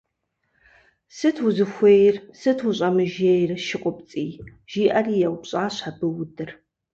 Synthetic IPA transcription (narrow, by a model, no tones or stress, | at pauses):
sɨtʰwʊzɨxʷejɪrsɨtʰwʊɕʼɐmɨʒejrɨʃɪqʷʼɔp̚t͡sʼiː | ʒ̥iːʔɐriːjɛwpɕʼaːɕħabɨwʊdɨr